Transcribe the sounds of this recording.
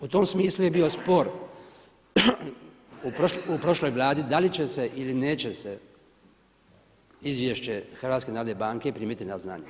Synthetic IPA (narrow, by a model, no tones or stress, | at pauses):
ut̪omsmiːsluje̞bio̞spo̞ɾ | upoupɾo̞ʃlo̞jʋlˠaːd̪id̪alit͡ɕe̞se̞ʔilineːt͡ɕe̞se | izʋjeʃt͡ɕexrʋaːt̪skenaːɾod̪nebaːŋke̞pɾimjet̪inazna̰ːɲe